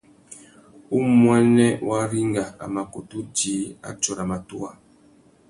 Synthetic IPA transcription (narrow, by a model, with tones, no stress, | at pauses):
u˦mwɛ˦nɛ˦wa˦ɾi˦ŋɡa˨a̰˨ma˨ko˨tu˦d͡ʒi˨˦a̰˦t͡ʃɔ˨ɾa˨ma˨tu˦a˨